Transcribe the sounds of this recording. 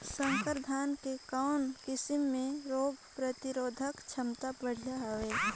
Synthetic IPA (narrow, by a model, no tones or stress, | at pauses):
sə̃ŋkəɾd̪ʱaːnkekaʊnkɪsɪmːẽɾoːbʱpɾət̪ɪɾoːd̪ʱəkt͡ʃʰəmt̪abəɽ̤ijaɦʋeː